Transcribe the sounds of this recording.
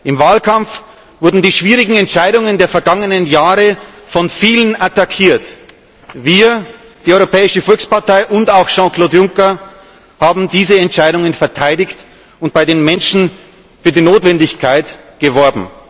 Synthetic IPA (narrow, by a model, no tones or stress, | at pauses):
ʔɪmvaːlkʰamf | v̥ʊɐdn̩diːʃv̥iːʁɪɡŋ̩ɛntʃaɪɾʊŋəndeːɐfɛɐɡaŋənənjaːʁəfɔnfiːlənʔatakʰiːɐt | viːɐ | d̥iːɔʏʁopʰɛːɪʃəfɔlkspaɐtaɪʔʊntaʊxʃɑ̃kloːtjʊŋkɐ | haːbm̩diːzəɛntt͡ʃaɪɾʊŋənfɛɐtʰaɪdɪçt | ʊnt̚b̥aɪɾeːnmɛnʃn̩ | fyːɐdiːnoːtv̥ɛndɪçkʰaɪtɡ̥əvɔɐbm̩